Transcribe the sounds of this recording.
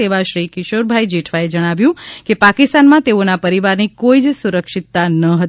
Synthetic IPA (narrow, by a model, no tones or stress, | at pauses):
eʋaʃɾikɪʃoɾbʱaid͡ʒeʈʰʋaed͡ʒəɽ̃aʋjũkepakist̪anmãt̪eonapəɾiʋaɾnikoid͡ʒsuɾəkʃit̪ːanəɦət̪